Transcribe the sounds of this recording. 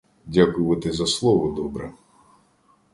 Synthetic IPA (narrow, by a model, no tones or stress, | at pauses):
dʲakʊʋɐt̪ɪzɐslˠɔʋɔd̪ɔbɾɛ